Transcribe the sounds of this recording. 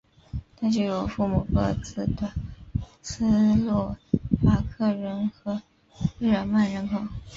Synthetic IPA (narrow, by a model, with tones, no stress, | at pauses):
t̪ʰa˥t͡ɕjo˥˩ʊjo˨˩ʊfu˥˩mu˨˩kɤ˥˧t͡sɹ̩˥˩d̪ə˩ | t͡s̩ʰ˥lwɔ˥˩fa˥˩kʰɤ˥˩ɻə˧˥nxɤ˧˥ | ɻ̩˥˩ɻə˨˩ma˥˩nɻə˧˥kʰo˨˩˦ʊ